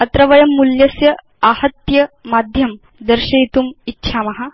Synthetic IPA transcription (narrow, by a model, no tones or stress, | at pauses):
ɐt̪ɾɐʋɐjɐmːuljɐsjɐ | ahɐt̪jɐmad̪ʱjɐm | d̪əɾɕɐit̪umitːɕʰamɐɦa